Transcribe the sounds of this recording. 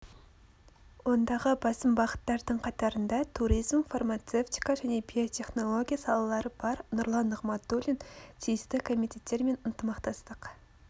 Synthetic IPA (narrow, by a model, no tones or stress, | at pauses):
wond̪ɑʁəbɑsəmbɑʁə̥t̪ːɑɾd̪əɴqʰɑt̪ɑɾənd̪ɑt̪ʰuɾijzmfarmat̪se̞ft̪i̥kɑʒæne̞bʲio̞t̪ʲʰe̞χno̞lˠo̞ɡʲijasɑlˠɑlˠɑɾəbɑɾnʊɾlˠɑnːʊʁmɑt̪̚d̪olʲint̪ʲʰijɪst̪ɪkʰo̞mit̪ʲʰe̞t̪ːe̞ɾme̞nənt̪əmɑqt̪ɑst̪əq